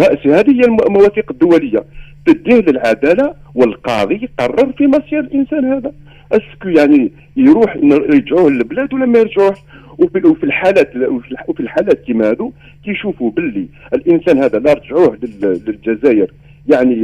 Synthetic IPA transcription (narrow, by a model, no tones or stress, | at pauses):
ɑʔsihæd̪həjːælmæwæθiqəd̪ːʊwæləjːat̪əd̪ːihləlʕad̪æla | wəlqɑðˤijqɑrˤːəɾˤfimɑsˤiɾəlʔənsænhæd̪æ | ʔæskujaʕni | jɾuħnɾʒʕuhləlblæd̪wlːæmæjəɾʒʕuh | wiwfilħalæt̪filwfilħalæt̪limæhæd̪u | kæjʃufubəlːiəlʔənsænhæd̪ælɑɾˤʒʕuhləlləlʒæzæjəɾ | jaʕni